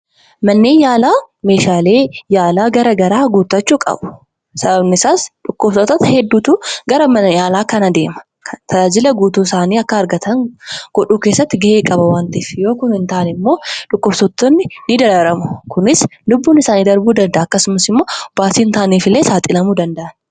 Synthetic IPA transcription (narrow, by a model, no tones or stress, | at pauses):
mɐnːeːnjaːlaː | me̞ːʃaːle̞ːjaːlaːɡɐɾɐɡɐɾaːɡuːt̪ːɐt͡ʃːuːkʼɐ̰bʊ̥ | sɐbɐbnɪsaːsᶑʊkːʊfsɔt̪ɐt̪hɛd̪ːuːt̪uːɡɐɾɐmɐnɐjaːlaːkɐnɐd̪e̞ːmɐ̥ | kʰɐt̪ʰɐaːd͡ʒɪlɐɡuːt̪uːsaːniːɐkːɐɐɾɡɐt̪ɐŋɡ̥ɔᶑuːke̞ːsːɐt̪ːɪɡɛʔeːkʼɐbɐwaːnt̪iːfjo̞ːkʊnɪnt̪aːʔnɛɪmːo̞ːᶑʊkːʊfsɔt̪ːɔnːɪnɪd̪ɐɾɐɾɐmʊ̥kʊnɪslʊbːuːnɪsaːniːd̪ɐɾbuːd̪ɐnd̪ɐʔːɐkːɐsʊmɐsɪmːo̞ːb̥aːt̪iːnt̪aːniːfɪlːe̞ːsaːt̪ʼɪlɐmuːd̪ɐnd̪ɐʔɐn